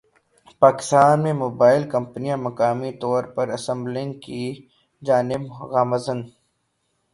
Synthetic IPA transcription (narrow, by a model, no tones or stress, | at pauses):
paːkɪ̥st̪aːnmẽmoːbaːɪlkɐ̃mpnijãmɐkaːmit̪ɔːɾpɐɾɐsə̃mblɪ̃ŋki | d͡ʒaːnɪbɣaːməzən